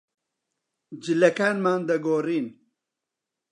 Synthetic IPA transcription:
d͡ʒɨlɐkaːnmaːnd̪ɐɡoːriːn

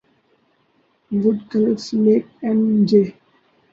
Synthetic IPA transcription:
ʋʊɖkələsleːkɛ̃nd͡ʒeː

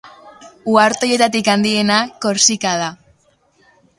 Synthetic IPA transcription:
uaɾt̪o̞je̞t̪at̪ikand̪ie̞nako̞ɾsikaða

